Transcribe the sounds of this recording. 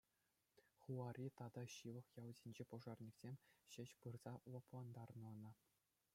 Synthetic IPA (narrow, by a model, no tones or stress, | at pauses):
χuɑrʲit̪ɑd̪ɑɕɯʋɤ̆χjɑwzʲinʲd͡ʑepŏʐɑrnʲiksʲemʲɕɘ̆ɕpɯrz̥ɑulˠɑplˠɑnd̪ɑrnɤ̆nɤ̆